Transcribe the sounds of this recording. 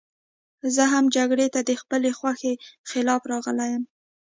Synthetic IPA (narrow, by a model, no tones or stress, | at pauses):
zəɦamd͡ʒaɡɽet̪ad̪əxpəlexwaxexɪlɑfɾɑɣəlajəm